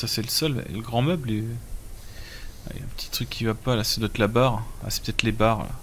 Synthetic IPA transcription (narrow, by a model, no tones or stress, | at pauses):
sasɛləsœlɛ̰ləɡʁɑ̃mœble | a̰ḭaɛ̃pə̥t̪ʰi̥t̪χykʰʲːivapalasd̪ɔt̪labaʁa̰sɛpə̥t̪ɛt̪lebaʁ̰a̰